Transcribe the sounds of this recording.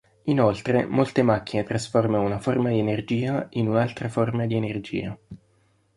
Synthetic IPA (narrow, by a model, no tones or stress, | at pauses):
inolt̪ɾemolt̪emakːinet̪ɾasformanunaformad̪ienerd͡ʒiːainunalt̪ɾaformad̪ienerd͡ʒḭːa